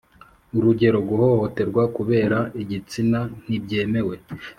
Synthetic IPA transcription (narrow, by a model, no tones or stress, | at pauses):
uɾuɟe̞ɾo̞ɡuho̞ho̞te̞ɾɡwakuβe̞ːɾaiɟit͡sinan̥ib̚ɟe̞ːme̞we̞